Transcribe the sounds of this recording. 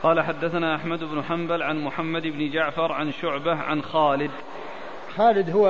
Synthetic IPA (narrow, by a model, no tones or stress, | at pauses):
qɑːlaħad̪ːaθanaːʔaħmad̪ɪbnʊħambalʕanmʊħamːad̪ʔɪbnɪd͡ʒaʕfɑɾˤʕanʃʊʕbahʕa̰nxaːlɪd̪ | xaːlɪd̪hʊw